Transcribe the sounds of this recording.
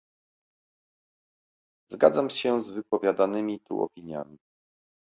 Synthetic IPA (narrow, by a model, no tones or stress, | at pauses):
zɡa̰d̪zamɕɛzvɘpɔvʲjad̪anɘmʲit̪ṵɔ̰pʲiɲja̰mʲi